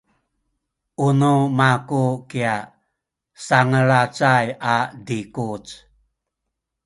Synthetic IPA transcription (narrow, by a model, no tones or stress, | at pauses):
ʔunumakukia | saŋəɾat͡sajadikut͡s